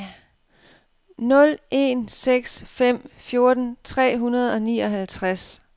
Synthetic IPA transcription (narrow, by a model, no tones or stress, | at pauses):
nɔ̽lʔe̝̰nseɡ̥sfem̰fjo̝ɐd̥n̩t͡sʰʁɛ̰ːɦunɐð̞̩ˠɒ̽niːɒ̽ɦælt͡sʰʁas